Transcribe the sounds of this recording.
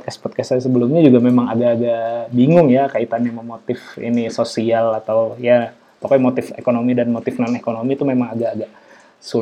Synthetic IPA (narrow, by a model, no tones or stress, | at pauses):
t̪̚kɛstpɔt̪̚kasasəbəlumɲad͡ʒuɡamemaŋaɡaːɡabiŋʊŋjakait̪anjaməmot̪ɪfḭnisosialat̪awja | pakojmot̪ɪfḛkonomidanmot̪ɪfnanekonomit̪umemaŋaɡaːɡaʔ | su